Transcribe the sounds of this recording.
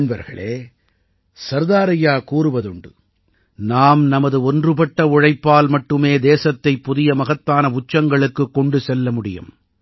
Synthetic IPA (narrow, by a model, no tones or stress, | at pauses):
nbɐɾɣɐ̰ɭeː | sɐɾðaːɾɐjaːkuːɾɯʋɐðɯɳɖɯ̰ | naːmnɐmɐðɯɔndrɯpɐʈːɐʊɻɐɪpːaːlmɐʈːɯmeːd̪eːsɐt̪ːɐɪpːʊðɪjɐmɐɣɐt̪ːaːnɐʊt͡ʃːɐŋɡɐɭɯkːɯkːɔɳɖɯsɛlːɐmʊɽɪjɯ̰m